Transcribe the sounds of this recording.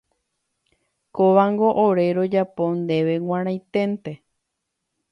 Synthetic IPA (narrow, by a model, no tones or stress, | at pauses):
koʋãŋɡoʔoɾe̞ɾo̞d͡ʒapo̞nd̪e̞ʋe̞w̃ãɾ̃ãj̃t̪ẽ̞nt̪e